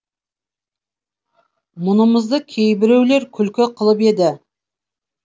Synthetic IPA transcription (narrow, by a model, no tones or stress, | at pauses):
mʊnəməzd̪əkʲʰejbɪɾe̞wle̞ɾkʲʰʏlkʲɪqʰəlˠəpe̞d̪ɪ